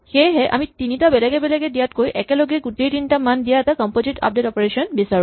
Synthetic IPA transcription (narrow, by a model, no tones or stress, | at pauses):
xejɦɛʔa̰mitinitabɛlɛɡɛbɛlɛɡɛdijatkojʔɛkɛloɡɛɡutejtinitamandijaɛtakɔmpozita̰p̚detɔpɔɹesiɔnbisaɹũ